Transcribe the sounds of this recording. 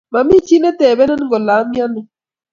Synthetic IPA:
ma˨mi˦t͡ʃi˦nɛ˦tɛ˨bɛ˦nɛ˦n˦ŋ˦ɡɔ˨la˨˦mja˦nɛ˨

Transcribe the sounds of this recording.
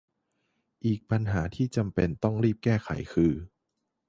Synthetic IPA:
ʔiː˨˩k̚pa˧nɦaː˩˦t̪ʰiː˥˩t͡ɕa˧mpe˧nt̪ɔ˥˩ŋɾiː˥˩p̚kɛː˥˩kʰa̰˩˦jkʰɯː˧

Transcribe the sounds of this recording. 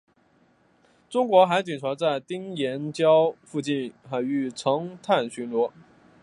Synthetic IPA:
ʈ͡ʂʊ˥ŋkwɔ˧˥xa˧˥ɪt͡ɕi˨˩nt͡sʰwa˧˥t͡sa˥˩ɪt̪i˥ŋjɛ˧˥nt͡ɕjɑ˥ʊfu˥˧t͡ɕi˥˩nxa˧˩ɪy˥˩ʈ͡ʂʰɤ˧˥ŋt̪ʰa˥˩nɕy˧˥nlwɔ˧˥

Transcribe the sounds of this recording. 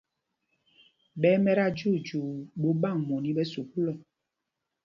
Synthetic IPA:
ɓɛ˦mɛ˦ɾa˦d͡ʒu˦˨d͡ʒu˨ɓo˨˦ɓa˦˨ŋmõ˨nĩ˨˦ɓɛ˦su˨ku˦lɔ˨

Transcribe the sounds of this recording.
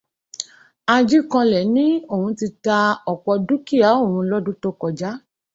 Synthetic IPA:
a˧d͡ʒi˦kã˧lɛ˨nĩ˦o˦˨hũ˧ti˧ta˧ɔ˨k͡pɔ˧du˦ki˦a˨˦o˦˨hũ˧lɔ˦dũ˦to˦kɔ˨d͡ʒa˦

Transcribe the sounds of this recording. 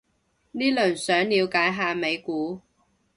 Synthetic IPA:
niː˥lɵ˨˩nsœː˨˥ŋliː˨˧wkaː˨˥jɦaː˧me˨˧jkuː˨˥

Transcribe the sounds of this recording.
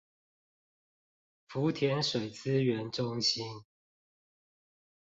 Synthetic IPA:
fu˨˦t̪ʰjɛ˨˦nʂwe˨˩ɪt͡sɹ̩˦ɥɛ˨˦nʈ͡ʂʊ˦ŋɕi˦n

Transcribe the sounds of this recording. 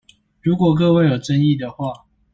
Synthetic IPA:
ɻu˧˥kwɔ˨˩k̬ɤ˥˧we˥˩ɪjo˨˩ʊʈ͡ʂə˥˦ni˥˨d̪ə˩xwa˥˩

